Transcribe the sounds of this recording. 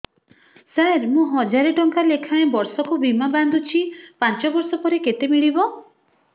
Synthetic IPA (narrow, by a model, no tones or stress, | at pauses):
saɾmũɦɔd͡ʒaɾeʈɔŋkalekʰaẽbɔɾsɔkubimaband̪ut͡ʃʰipant͡ʃɔbɔɾsɔpɔɾeket̪emiɭibɔ